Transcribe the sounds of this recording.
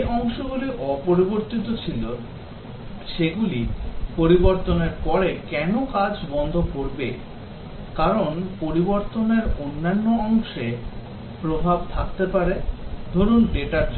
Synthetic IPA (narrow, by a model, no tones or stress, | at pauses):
eʔɔŋʃoɡuliʔɔpoɾiboɾt̪it̪ot͡ɕʰilo | ʃeɡulipoɾiboɾt̪oneɾpɔɾekɛnokad͡ʑbɔnd̪ʱokoɾbe | kaɾonpoɾiboɾt̪oneɾonːanːoɔŋʃe | pɾobʱabt̪ʰakt̪epaɾed̪ʱoɾunɖeʈat͡ɕ